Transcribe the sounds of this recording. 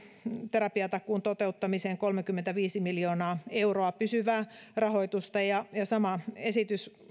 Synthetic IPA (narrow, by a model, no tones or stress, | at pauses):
t̪eɾɑpiɑt̪ɑkːˑuːnt̪ot̪eut̪ːɑmiseːŋkolmekymːent̪æʋiːsimiljoːnɑːeuroɑpysyʋæːrɑhoijt̪ust̪ɑjɑjɑsɑmɑesit̪ys